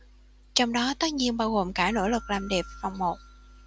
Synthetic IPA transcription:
t͡ɕɔ˧wŋ͡mɗɔ˨˦t̪ə˦˥t̚ɲi˧ənɓaː˧wɣo˨˩mkaː˧˩no̰˧˥˩lɨ˨˩k̚laː˨˩mɗɛ˨˩p̚va˨˩wŋ͡mmo˨˩t̚

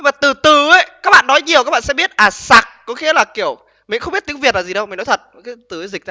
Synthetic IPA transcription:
maː˨˩t̪ɨ˨˩t̪ɨ˨˩ə˨˦jkaː˦˥k̚ɓa̰ː˧˨nɔ˨˦jɲi˨˩əwkːk̚ɓaː˧˨sɛ̰˧˥ɓi˦˥ət̚ʔaː˨˩sa˨˩k̚kʊ̰˧˥˦xi˧˥˦əlaː˨˩ki˧˩əw | mi˨xŋ͡mɓt̪̚i˨˦ŋvi˨˩ət̚laː˨˩zi˨˩ɗə˧wmi˨˩ŋnɔ˨˦jt̪ʰə˨˩t̚kaː˨˦jt̪ɨ˨˩ə˨˦zï˨˩k̚n˧˦

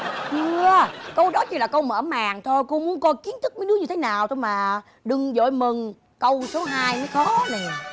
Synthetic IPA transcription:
t͡ɕɨ˧əkə˧wɗɔ˨˦t͡ɕɨ˧laː˨˩kə˧wməː˧˩maː˨˩ŋt̪ʰo˧jko˧mu˨˦ənkɔ˨˧˦jki˨˦ənt̪ʰɨ˦˥k̚məː˨˦nɗɨ˨˦əɲɨ˧t̪ʰe˨˦naː˨˩wt̪ʰo˧jmaː˨˩ | ɗɨ˨˩ŋzo̰˧˨jmɨ˨˩ŋ | kə˧wso˨˦ɦaː˧jnɔ˨˦jxɔ˨˦na˨˩

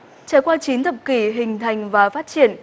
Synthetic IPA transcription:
t͡ɕaː˧˩jkwaː˧t͡ɕi˨˦nt̪ʰə˨˩p̚ki˧˩ɦï˨˩ŋ̟t̪ʰa˨˩jŋ̟vaː˨˩faː˦˥t̚t͡ɕi˧˩˨ən

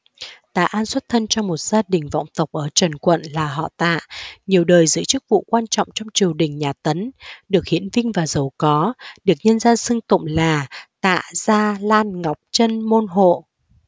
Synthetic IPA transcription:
t̪a̰ː˧˨ʔaː˧nswə˦˥t̚t̪ʰə˧nt͡ɕɔ˧mo˨˩t̚z̥aː˧ɗï˨˩ŋ̟vɔ̰˧˨wŋ͡mt̪ə˨˩wk͡p̚ʔəː˧˩t͡ɕə˨˩nkwə̰˧˨nlaː˨˩ɦɔ̰˧˨t̪a̰ː˧˨ʔɲi˨˩əwɗəː˨˩jzɨ̰˧˥t͡ɕɨ˦˥k̚vṵ˧˨kwaː˧nt͡ɕɔ̰˧˨wŋ͡mt͡ɕɔ˧wŋ͡mt͡ɕi˨˩əwɗï˨˩ŋ̟ɲaː˨˩t̪ə˨˦nɗɨ˨˩ək̚hḭ˧˥ənvï˧ŋ̟vaː˨˩zə˨˩wkɔ˨˦ɗɨ˨˩ək̚ɲə˧nzaː˧nsɨ˧ŋt̪ʊ̰˧˨ŋ͡mlaː˨˩t̪a̰ː˧˨ʔz̥aː˧laː˧nŋa˨˩wk͡p̚t͡ɕə˧nmo˧nɦo̰˧˨

